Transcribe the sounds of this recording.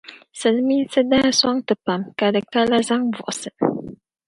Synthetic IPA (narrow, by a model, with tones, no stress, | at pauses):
sɨ˨lmi˦nsɨ˦daː˦swa˦ŋtɨ˨pa˨mka˨dɨ˨ka˦la˦za˦ŋvʊ̰˨ʔʊ˨sɨ˨